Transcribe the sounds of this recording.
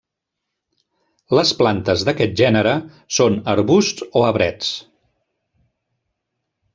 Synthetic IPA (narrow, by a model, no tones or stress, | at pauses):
ləsplant̪əzðəkɛt̪̚ʒɛnəɾə | sonəɾβust̪oəβɾɛt͡s